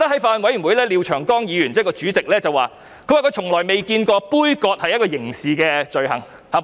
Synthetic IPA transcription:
t̪ɐ˥hɐ˨˥jfaː˧nwɐ˨˥jy˨˩wu˨˧jlɛː˥liː˨˧wt͡ʃʰœː˨˩ŋkɔː˥ŋjiː˨˧jy˨˩nt͡sɛː˥kɔː˧t͡ʃyː˨˥t͡sɪ˨k̚lɛː˥t͡sɐ˨waː˨˩ | kʰwaː˨kɵ˨˧jt͡ʃʰʊ˨˩ŋlɔː˨˩jme˨jkiː˧nkɔː˧puː˥jkɔː˧t̚hɐ˨jːɐ˥t̚kɔː˧jɪ˨˩ŋsiː˨kɛː˧t͡ʃɵ˨˧ɥɦɐ̰˨˩ŋ | hɐ˨˩

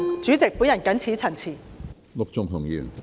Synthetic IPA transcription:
t͡ʃyː˨˥t͡sɪ˨k̚puː˨˥njɐ˨˩nkɐ˨˥nt͡sʰiː˨˥t͡sʰɐ˨˩nt͡sʰiː˨˩ | lʊ˨k̚t͡sʊ˨ŋɦʊ˨˩ŋjy̰ː˨˩n

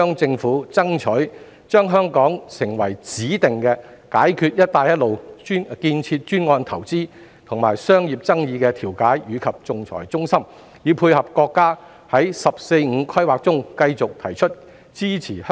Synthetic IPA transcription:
œː˥ŋt͡sɪ˧ŋfuː˨˥t͡sɐ˥ŋt͡ʃʰɵ˨˥ɥ | t͡ʃœː˥ŋɦœː˥ŋkɔː˨˥ŋsɪ˨˩ŋwɐ˨˩jt͡siː˨˥t̪ɪ˨ŋkɛː˧ | kaː˨˥jkʰyː˧t̚jɐ˥t̚t̪aː˧jɐ˥t̚lo˨wnkiː˧nt͡sʰiː˧t̚t͡ʃyː˥nŋɔː˧nt̪ʰɐ˨˩wt͡siː˥ | t̪ʰʊ˨˩ŋma̰ː˨˩jsœː˥ŋjiː˨p̚t͡sɐ˥ŋjiː˧kɛː˧t̪ʰiː˨˩wkaː˨˥jjyː˨˧kʰɐ˨p̚t͡sʊ˨˧ŋt͡sʰɔ̰ː˨˩jt͡sʊ˥ŋsɐ˥m | jiː˨˧wpʰuː˧jhɐ˨p̚kɔː˧kːaː˥ | hɐ˨˥jsɐ˨p̚se˧jŋ̩ː˨˧kʰɐ˥jwaː˨k̚t͡sʊ˥ŋkɐ˧jt͡sʊ˨k̚t̪ʰɐ˨˩jt͡ʃʰɵ˥t̚ | t͡siː˥t͡sʰiː˨˩h

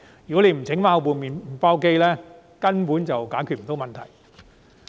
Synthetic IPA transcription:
jjyː˨kɔ˨˥le˨˧jm̩˨˩t͡sʰɪ˨˥ŋmaː˧˥wp̬uː˨nmiː˨n˨paː˧˥wke˥jlɛː˥ | kɐ˥npuː˨˥nt͡sɐ˨wkaː˨˥jkʰyː˨t̚m̩˨˩t̪o˧˥wmɐ˨nt̪ʰɐ˨˩j

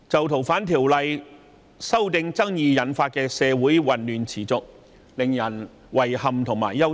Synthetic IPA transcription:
t͡sɐ˨wt̪ʰo˨˩wfaː˨˥nt̪ʰiː˨˩wlɐ˨j | sɐ˥wt̪ɪ˧ŋt͡sɐ˥ŋjiː˨˧jɐ˨˥nfaː˧t̚kɛː˧sɛː˨˧wuː˨˥jwɐ˨˩nlyː˨nt͡sʰiː˨˩t͡sʊ˨k̚ | lɪ˨ŋjɐ˨˩n | wɐ˨˩jhɐ˨mt̪ʰʊ˨ŋma̰ː˨˩jjɐ˥w

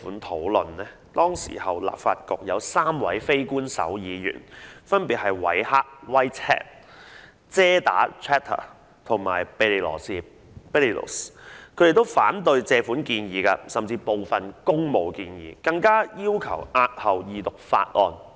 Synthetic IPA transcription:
fuː˨˥nt̪ʰo˨˥wlɵ˨nlɛː˥ | t̪ɔː˥ŋsḭː˨˩hɐ˨wla̰ː˨p̚fa̰ː˧t̚kɔ˨k̚jɐ˨˧wsaː˥mwɐ̰˨˥jfe˥jkuː˥nsɐ̰˨˥wjiː˨˧jy̰ː˨˩nfɐ˥npiː˨t̚hɐ˨˩jwɐ̰˨˥jhaː˥k̚wa˥jthɛ̰ː˥p̚ | t͡sɛː˥t̪a̰ː˨˥tʰɛː˥t̪ʰːɐ̰˨˩ | t̪ʰʊ˨˩ŋma̰ː˨˩jpllɔ̰ː˨˩siː˨˧ | pɛ˥li˨˩lo̰˨˩skʰɵ˨˧˥d̪e˨˩t̪o˥wfaː˨˥nt̪ɵ˧ɥt͡sɛː˧fuː˨˥nkiː˧njiː˨˧kɐ˧sɐ˨˩mt͡siː˧po˨wfɐ˨nkʊ˥ŋmo˨˧wkiː˧njḭː˨˧kɐ˧ŋkaː˥jiː˥wkʰɐ˨˩wʔaː˧t̚hɐ˨wjiː˨˧t̪ʊ˨k̚fa̰ː˧t̚ʔɔː˧n

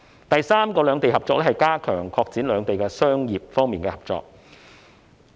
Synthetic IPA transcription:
t̪ɐ˨jsaː˥mkɔː˧lœː˨˧ŋt̪e˨jɦɐ˨p̚t͡ʃɔː˧klɛː˥hɐ˨jkaː˥kʰœː˨˩ŋkʰɔː˧k̚t͡siː˨˥nlœː˨˧ŋt̪e˨jkɛ˧sœː˥ŋjiː˨p̚fɔː˥ŋmiː˨nkɛː˧hɐ˨p̚t͡sɔ̰ː˨k̚

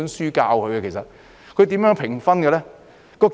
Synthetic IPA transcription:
nsyː˥kaː˧wkʰɵ˨˧ɥkɛ˧kʰe˨˩jsɐ˨t̚ | kʰɵ˨˧ɥt̪̬iː˨˥mjœː˧˥ŋpʰɪ˨˩ŋfɐ˥nkɛ˧lɛ˥ | kɔː˧k

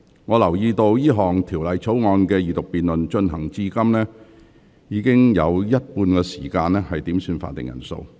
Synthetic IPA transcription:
ŋɔː˨˧lɐ˨˩wjiː˧t̪o˧wjiː˥ɦɔː˨ŋt̪ʰiː˨˩wlɐ˨jt͡sʰo˨˥wŋɔː˨˧nkɛː˧jiː˨˩t̪ʊ˨k̚piː˨nlɵ˨nt͡ʃɵ˧nɦɐ˨˩ŋt͡siː˧˥kɐ˥mnɛː˥ | jiː˨˧kɪ˥ŋjɐ˨˧wjɐ˥t̚puː˧nkɛː˧si̥̰ː˨˩kaː˧nlɛː˥hɐ˨jt̪iː˨˥msyː˧nfa̰˧t̪ɪ̰˨ŋjɐ̰˨˩nso̰˧w

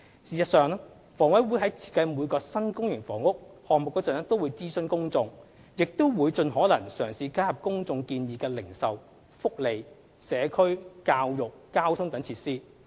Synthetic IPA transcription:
siː˨˩sɐ˨t̚sœː˨˧ŋɛ˥ | fɔː˨˩ŋwɐ˨˥jwuː˨˧˥ɦɐ˨˥jt͡sʰi̥ː˨˧t̚kɐ˧jmuː˨˧jkɔː˧sɐ˥nkʊ˥ŋjɪ˨˩ŋfɔː˨˩ŋʊ˥k̚hɔː˨ŋmʊ˨kːɛː˧t͡sɐ˨nɛ˥t̪o˥wuː˨˧jt͡siː˥sɵ˧nkʊ˥ŋt͡sʊ˧ŋ | jɪ˨k̚t̪o˥wwuː˨˧jt͡sɵ˧nɦɔː˨˥lɐ˨˩ŋsœː˨˩ŋsiː˧kaː˥jɐ˨p̚kʊ˥ŋt͡sʊ˧ŋkiː˧njiː˨kɛː˧lɪ˨˩ŋsɐ˨w | fʊ˥k̚le˨j | sɛː˨˧kʰɵ˥ɥkaː˧wjʊ˨k̚kaː˥wt̪ʰʊ˥ŋt̪ɐ˨˥ŋt͡sʰiː˧t̚siː˥

